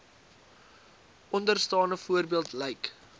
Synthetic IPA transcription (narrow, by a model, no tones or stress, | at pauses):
ʔɔndərstɑːnəfuərbiəlˠtlɛjk